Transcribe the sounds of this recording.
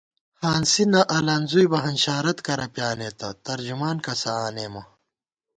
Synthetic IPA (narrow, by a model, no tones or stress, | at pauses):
haːnsinɐʔɐlaːnzujbɐɦɐnɕaːɾɐt̪kɐɾɐpjaːneːt̪ɐt̪ɐɾd͡ʑumaːnkɐsɐaːneːmɐ